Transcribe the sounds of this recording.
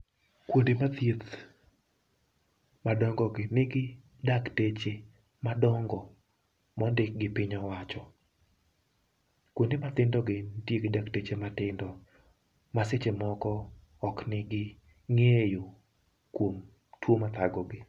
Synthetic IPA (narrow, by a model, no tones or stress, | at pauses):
kwondemat̪jet̪ | madɔŋɡɔɡɪnɪɡɪ | daktet͡ʃe | madɔŋɡɔ | mɔndɪk̚ɡɪpɪɲɔwat͡ʃɔ | kwondemat̪ɪndɔɡɪndjeɡɪdaktet͡ʃematɪndɔ | maset͡ʃemɔkɔː | knɪɡɪ | ŋejo | kwom | twomat̪aɡɔɡɪ